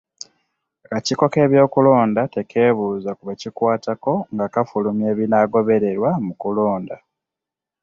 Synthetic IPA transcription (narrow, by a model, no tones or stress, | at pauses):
kaciko̞ke̞ːβjo̞ːkulo̞ːndate̞kʰe̞ːβuːzakuβecikwaːtako̞ŋɡakafulumje̞ːβinaɡo̞βe̞ɾe̞ɾwamukulo̞ːnda